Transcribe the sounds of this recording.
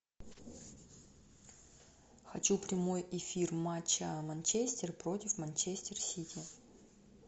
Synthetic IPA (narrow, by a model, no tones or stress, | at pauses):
xɐt͡ɕupɾʲɪmo̞jɪfʲirmat͡ɕːəmɐnʲt͡ɕesʲt̪ʲɪrpɾo̞tʲɪfmɐnʲt͡ɕesʲt̪ʲɪrsʲitʲi